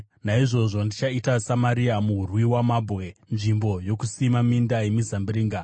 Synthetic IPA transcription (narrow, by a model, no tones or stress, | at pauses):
naiʐo̞ʐo̞ndit͡ʃaitasamaɾiamuɦurwiwamabʱɣe̞nʐimbo̞jo̞kusimamindajemizambiɾiːŋɡa